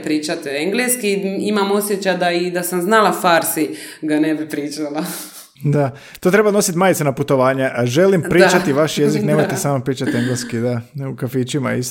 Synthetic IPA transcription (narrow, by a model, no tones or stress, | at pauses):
pɾiːt͡ʃat̪eeŋɡleskiimamo̞sjet͡ɕajd̪aid̪asamznalˠafaɾsiɡanebipɾiːt͡ʃala | d̪a | t̪oːt̪ɾe̞bano̞sit̪maːjt̪senaput̪o̞ʋaːɲeʔʒe̞limpɾit͡ʃat̪iʋaʃjezikneːmojt̪esaːmopɾiːt͡ʃat̪ieŋɡleskid̪aukafiːt͡ʃima̰is